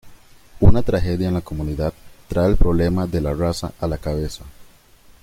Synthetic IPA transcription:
unat̪ɾaxe̞ðjaenlako̞muniðað̚t̪ːɾaelpɾoβle̞maðe̞larasa̰ʔalakaβe̞sa

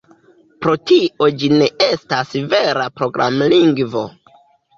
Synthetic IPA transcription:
pɾo̞tiʔo̞d͡ʒine̞ʔe̞stasve̞ɾapɾo̞ɡɾa̰mliŋɡvo̞̰

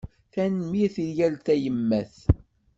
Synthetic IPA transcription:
θænmiθiljælt̪æjəmːæθ

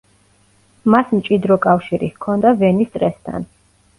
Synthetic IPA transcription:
masmt͡ʃʼid̪ɾɔkʼafʃiɾḭhkʰɔnd̪avɛnist̪ʼɾɛst̪ʰa̰n

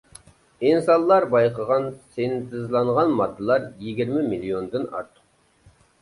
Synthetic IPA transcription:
insɑlˠːɑɾbɑjqʰəʁɑnsent̪ʰɪzlˠɑɴʁɑnmɑd̪ːəlˠɑɾjeɡʲiɾmɪmiliond̪ɨnɑ̰ɾt̪ʰə̥q

